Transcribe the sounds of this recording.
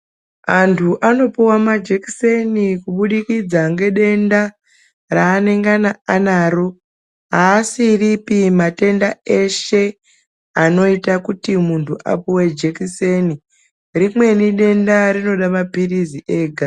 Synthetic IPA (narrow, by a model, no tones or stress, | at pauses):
antʰuʔano̞puwamad͡ʒeki̥se̞nikuɓuɗikid͡zaŋɡe̞ɗe̞nda | raːne̞ŋɡanaanaːɾo̞ | ɦaːsiripimate̞ndae̞ʃe̞ | ano̞itakutimuntʰuʔa̰puwed͡ʒekise̞ni | rimwe̞niɗe̞ndaɾino̞ɗamapiriziʔe̞ːɡʱa